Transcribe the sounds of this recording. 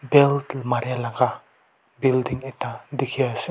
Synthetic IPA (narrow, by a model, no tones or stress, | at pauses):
bɛltmaɾejalaɡa | bildiŋɛtad̪ikʰias